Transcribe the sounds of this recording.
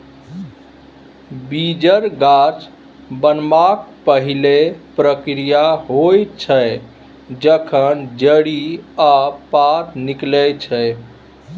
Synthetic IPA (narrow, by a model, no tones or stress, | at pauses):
bid͡ʒəɾɡat͡ʃ | bənmak̚pəɦilepɾəkɾijaɦojt͡ʃʰəj | d͡ʒəkʰənd͡ʒəɽiapat̪niklɛt͡ʃʰə